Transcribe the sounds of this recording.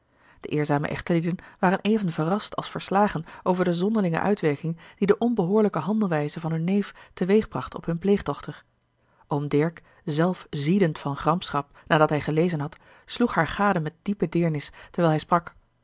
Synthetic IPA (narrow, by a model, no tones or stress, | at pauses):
d̥əʔɪːɹzaːmə̰ʔɛ̰χtəlidənʋaːrənʔejvənvərɑstɑ̰lˠsfəɹslaːχənʔowvəɹdəzɔndəɹlɪŋə̰ʔœ̰ɥtʋɛɹkɪŋd̥idəʔɔnbəɦʊːɹləkəɦɑndəl̩ˠʋɛjzəvɑnɦɵnːejftəʋejχbrɑχtɔ̰pɦɵnplejχdɔχtəɹ | ʔomdɛɹk | zɛlˠfzidəntfɑnχrɑmpsχɑp̚ | naːdɑtɦɛjχəlejzənɦɑt | sluχɦaːɹχaːdəmɛt̚d̥ipədɪːɹnɪstɛɹʋɛːlˠɦɛjsprɑk